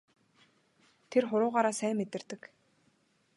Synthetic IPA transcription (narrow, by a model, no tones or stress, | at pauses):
t̪ʰerχʊɾʊːʁaːɾaːsæːmːet̪ɘ̆rt̪ɘ̆k